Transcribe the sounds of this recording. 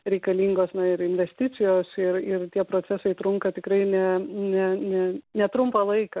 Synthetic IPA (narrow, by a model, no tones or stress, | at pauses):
ɾʲɛɪkɐlʲiːŋɡoːsnɐɪɾɪnʲʋʲɛsʲt̪ʲɪt͡ssʲɪjoːsɪɾɪrt̪ʲiɛpɾoːt͡s̪ʲæsɐɪt̪ɾʊŋkɐt̪ʲɪkɾɐɪnʲɛnʲɛnʲɛnʲɛt̪ɾʊmpɐlˠɐɪkɐ